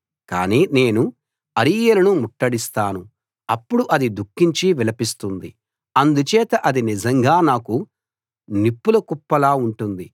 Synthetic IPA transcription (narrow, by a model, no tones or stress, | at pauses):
ka̰ːniːne̞ːnu | ɐɾijɐlɐnumuʈːɐɽist̪aːnu | ɐpːuɽuʔɐd̪id̪ukːiɲt͡ʃiʋɛlɐpist̪und̪i | ɐnd̪ut͡ʃɛːt̪ɐʔɐd̪inizɐŋɡaːnaːku | nipːulɐkupːɐlaːuɳʈund̪i